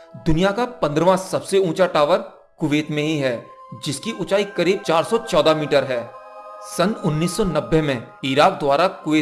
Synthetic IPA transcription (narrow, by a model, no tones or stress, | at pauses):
d̪ʊnijakapɐ̃nd̪ɾʋãsɐbseũːt͡ʃaʈaːʋəɾ | kʊʋeːt̪mẽɦiɦɛː | d͡ʒɪskiʔʊt͡ʃaːikɐɾiːb̚t͡ʃaːɾsɔt͡ʃɔːd̪amiːʈəɾɦɛː | sɐnʊnːiːsːɔnɐbːemẽ | iːɾaːk̚d̪waːɾakʊʋeː